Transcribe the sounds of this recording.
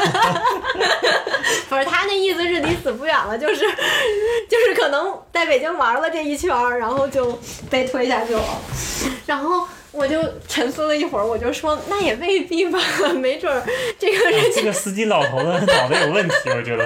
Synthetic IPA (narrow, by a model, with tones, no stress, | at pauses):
fə˧˩˧t̪ʰa˥d̪ə˧i˥˩sɹ̩˧ʂɻ̩˥˩ni˧˥sɹ̩˨˩p̬u˥ɥɛ˨˩nlə˦t͡ɕjo˥˧ʊʂɻ̩˥˧t͡ɕjo˥˧ʊʂɻ̩˥˩kʰɤ˨˩nɤ˧˥ŋt͡sa˥˩ɪpe˨˩ɪt͡ɕi˥ŋwa˧˥lə˧ʈ͡ʂe˥˧i˥˩t͡ɕʰɥɛ˧˥ɻa˧˥nxo˥˧ʊt͡ɕjo˥˧ʊpe˥˩ɪt̪ʰwe˥ɪi˧ɕja˥˧t͡ɕjɔ˥˩lə̰˩ɻa˧˥nxo˥˩ʊ | wɔ˨˩t͡ɕjo˥˩ʊʈ͡ʂʰə˧˥ŋsu˥˧lə˧i˥˩xwə˧˥wɔ˨˩t͡ɕjo˥˩ʊʂwɔ˥na˥˩jɛ˨˩pe˥˧ɪpi˥˩fa˥˩˧me˧˥ɪʈ͡ʂwə˥˩ʈ͡ʂɤ˥˩ɡə˩ɻə˧˥n˥˩ɡə˩sɹ̩˥t͡ɕi˥lɑ˨˩ʊt̪ʰo˧˥d̪ə˧˥nɑ˨˩ʊd̪ə˦jo˨˩ʊwə˥˩nt̪ʰi˧˥ə˧˩ʈ͡ʂɥɛ˧˥də˧